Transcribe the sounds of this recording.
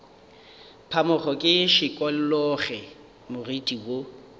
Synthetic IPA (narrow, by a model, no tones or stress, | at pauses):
pʰamʊχɔkʼɪʃɪkʼɔllɔχɛ | mʊritʼiwo